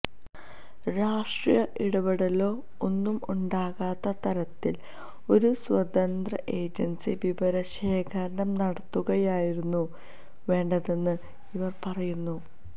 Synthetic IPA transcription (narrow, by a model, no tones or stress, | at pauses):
ɾaːʂʈrijɐʔiɽɐbɐɽɐlo̞ː | onːumuɳɖaːɣaːt̪ːɐt̪ɐɾɐt̪ːil | o̞ɾuswɐd̪ɐnd̪rɐʔe̞ːd͡ʑɐnsiʋiʋɐɾɐɕe̞ːkʰɐɾɐɳɐmnɐɽɐt̪ːuɣɐjaːjiɾunːu | ʋe̞ːɳɖɐðe̞nːɨ | iʋɐrpɐrɐjunːu